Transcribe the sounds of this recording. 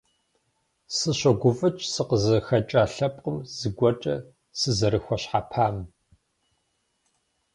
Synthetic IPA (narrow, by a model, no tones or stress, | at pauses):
sɨɕʷɔɡʷʊvɨt͡ʃʼsɨqəzɐxɐt͡ʃʼaːɬɐp̚ʼqʼəmz̥ɨɡʷɔt͡ʃʼɐ̰ | sɨzɐɾɨxʷɔɕħapʰaːm